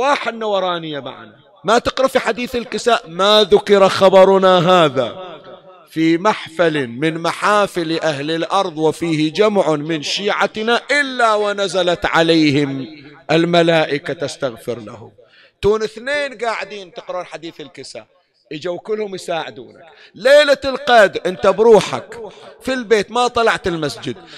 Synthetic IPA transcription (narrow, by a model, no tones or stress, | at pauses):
waːħɪd̪nawɑɾˤɑːnɪjːama̰ʕa̰na | mat̪ɪqɾafiħad̪iːθɪlkɪsaːʔmaðʊkɪɾaxɑbɑɾˤʊnaɦaːða̰ | fimaħfalɪmɪnmaħaːfɪlʔahlɪlʔɑɾˤðˤwɪfiːhɪd͡ʒamʕʊmɪnʃiːʕat̪naʔɪlːawɪnazalat̪ʕalajhɪmʔɪlmalaːʔɪkat̪ast̪aɣfɪɾla̰hʊ̰m | t̪uːnɪθneːnɡaːʕɪd̪iːnt̪ɪqɾuːnħad̪iːθɪlkɪsa̰ | ʔɪd͡ʒawkɪlːhʊmjsaːʕɪd̪uːnak | leːlalqɑd̪ɾʔɪnt̪abɾuːħa̰kfilbeːt̪mat̪ˤɑlɑʕt̪ɪlmasd͡ʒɪd̪̚